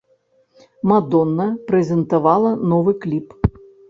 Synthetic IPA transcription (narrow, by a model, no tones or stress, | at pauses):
mad̪ɔnːɐpɾɛzʲɛnt̪avalˠɐnɔvɨklʲip